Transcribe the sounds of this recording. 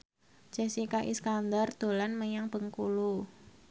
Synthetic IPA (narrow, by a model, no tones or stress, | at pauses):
d͡ʒ̥ɛsikaʔḭskand̪ard̪̥o̤lanməjaŋb̥əŋkulu